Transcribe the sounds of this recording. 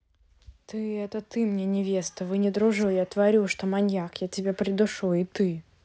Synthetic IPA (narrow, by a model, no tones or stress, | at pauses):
t̪ɨɛt̪ət̪ɨmnʲenʲɪvʲe̞st̪əvɨnʲɪd̪ɾʊʐɨjat̪vɐɾʲuʂt̪omɐnʲjakjatʲɪbʲapɾʲɪd̪ʊʂuɪt̪ɨ